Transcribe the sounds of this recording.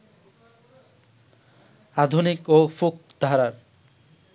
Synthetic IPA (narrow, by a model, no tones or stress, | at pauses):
ad̪ʱunikofuk̚d̪ʱaɾaɾ